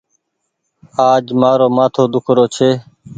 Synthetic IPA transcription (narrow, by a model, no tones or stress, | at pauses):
aːd͡ʒmaːɾoːmaːt̪ʰoːd̪ʊkʰɾoːt͡ʃʰeː